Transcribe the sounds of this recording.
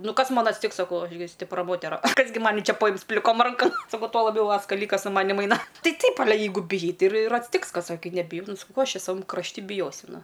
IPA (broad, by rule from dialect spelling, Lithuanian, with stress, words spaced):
ˈnʊ ˈkɐs ˈmɐn ɐtʲsʲˈtʲɪks sɐˈkɐʊ ˈɐʃ ɡʲɪ sʲtʲɪpˈrɐ ˈmoːtʲɛrɐ ˈkɐs ɡʲɪ ˈmɑːnʲɪ ˈt͡ʃʲɛ pɐˈjɪms pʲlʲɪˈkoːm ˈrɐŋkɐm sɐˈkɐʊ tuɔ lˠɐˈbʲɛʊ ˈʋɐ skɐˈlʲiːkɐs sʊ ˈmɑːnʲɪm ˈɐɪnɐ ˈtɐɪ ˈtɐɪp ɐˈlʲɛ ˈjɛɪɡʊ bʲɪˈjɛɪ ˈtɐɪ ɪr ɪr ɐtʲsʲˈtʲɪks ˈkɐs oː ˈkɐɪ nʲɛbʲɪˈjɛʊ ˈnʊ sɐˈkɐʊ ˈkoː ˈɐʃ ˈt͡ʃʲɛ sɐˈʋɐm krɐʃʲˈtʲɪ bʲɪˈjoːsʲʊ ˈnʊ